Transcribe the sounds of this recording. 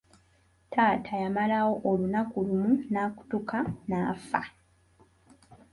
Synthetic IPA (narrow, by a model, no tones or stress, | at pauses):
tʰaːtʰajamalawo̞ʔolunakulumunaːku̥tukanaːfa